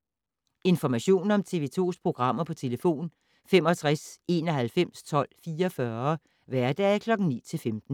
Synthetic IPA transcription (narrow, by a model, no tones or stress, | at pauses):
e̝nfɒmæɕo̝̰ːnɒ̽mt͡sʰe̝ʋe̝ːt͡sʰo̝̰ːspʰʁo̝ɡ̥ʁɑ̈m̰ɐpʰɒ̽t͡sʰe̝ləfo̝̰ːn | femɒ̽t͡sʰʁase̝̰nɒ̽ɦælfem̰st͡sʰɒ̽l̰fiːɒfɶːɐ | ʋæɐd̥ɛkʰlɒ̽ɡ̥ŋ̩nḭːt͡sʰe̝lfemd̥n̩